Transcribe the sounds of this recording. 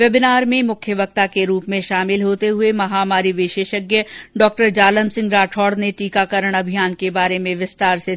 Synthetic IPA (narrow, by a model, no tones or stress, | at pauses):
ʋjɐbɪnaːɾmẽmʊkʰjəʋɐk̚t̪akeɾuːpmẽʃaːmɪlɦoːt̪eɦʊemɐɦaːmaːɾiʋɪʃeːʃəɡjəɖɔːk̚ʈəɾd͡ʒaːləmsɪ̃ŋɡɾaːʈʰɔːɾd̪neʈiːkakəɾəɽ̃ɐbʱijaːnkebaːɾemẽʋɪst̪aːɾse